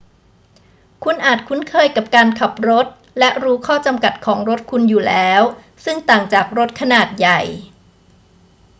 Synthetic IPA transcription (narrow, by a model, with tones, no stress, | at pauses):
kʰu˧nʔaː˨˩t̪̚kʰu˦˥nkʰɤː˧jka˨˩p̚kaː˧nkʰa˨˩p̚ɾo˦˥t̪̚ | lɛ˦˥ʔɾuː˦˥kʰɔː˥˩t͡ɕa˧mka˨˩t̪̚kʰɔː˩˦ŋɾo˦˥t̪̚kʰu˧njuː˨˩lɛː˦˥w | sɯ˥˩ŋt̪aː˨˩ŋt͡ɕaː˨˩k̚ɾo˦˥t̪̚kʰa˧naː˨˩t̪̚ja˨˩j